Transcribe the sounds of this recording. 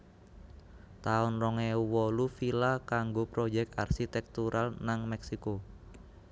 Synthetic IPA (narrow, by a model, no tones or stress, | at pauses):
t̪aʊnrɔŋeuwɔlufilakaŋɡopɾod͡ʒɛk̚t̪a̰rsit̪ɛk̚t̪uɾʔalnaŋmɛksiko